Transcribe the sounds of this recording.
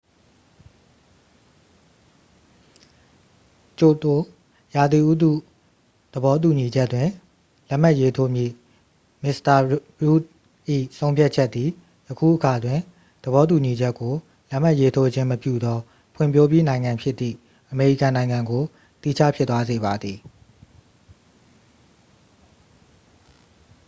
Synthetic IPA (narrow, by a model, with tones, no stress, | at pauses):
t͡ɕo˨to˨ | ja˨d̪i˨ʔu˦d̪ṵ˦˨ | d̪̥əbɔ˦t̬u˨ɲi˨d͡ʑɛ˦tːwɪ̃˨ | lɛ˦m̥a˦ʔje˦tʰo˦mjḭ˦˨ | mɪ˦sta˨ɹu˦t̚ | ʔḭ˦˨sõ˦ʊ̃pʰja˦t̚t͡ɕʰɛ˦t̪ːði˨ | jəkʰṵ˦˨ʔəka˨dwɪ̃˨ | d̪̥əβɔ˦t̬u˨ɲi˨d͡ʑɛ˦kːo˨ | lɛ˦ʔm̥a˦ʔje˦tʰo˦d͡ʑɪ̃˦məpjṵ˦˨d̪ɔ˦ | pʰwɪ̃˨mpʰjo˦pji˦nã˨ɪ̃ŋã˨mpʰjɪ˦t̪ːḭ˦˨ | ʔəme˨ɹḭ˦˨kã˨nã˨ɪ̃ŋã˨ŋɡo˨ | t̪i˦˨t͡ɕʰa̰˦˨pʰjɪ˦t̪ːwa˦ze˨βa˨d̪ði˨